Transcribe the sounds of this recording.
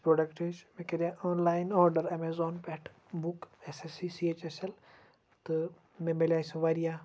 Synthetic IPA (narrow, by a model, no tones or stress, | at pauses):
pɾoːɖɐkʈet͡ʃmẽked̪ijaoːnlaːjnoːɾɖəɾɐmeːzoːnpeʈʰ | bukesesisieːt͡ʃesel | t̪ɨ | mẽmelʲaːsʋaɾijaː